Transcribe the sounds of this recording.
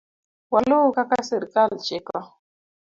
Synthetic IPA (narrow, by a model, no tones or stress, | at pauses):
walokakasəɾkalt͡ʃeka